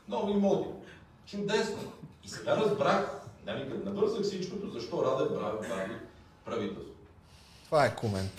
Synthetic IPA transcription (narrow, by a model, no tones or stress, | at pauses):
nɔɡʊimɔlˠd̪i | t͡ʃud̪ɛsnoisɛɡaɾɐzbɾaxd̪ɐnikət̪nɐbɤɾzəxfsit͡ʃkot̪ozɐʃt̪ɔɾad̪ɛbɾavɛp̪ad̪i | pɾɐvit̪ɛlˠst̪ot̪ | t̪ovaɛkʰomɛnt̪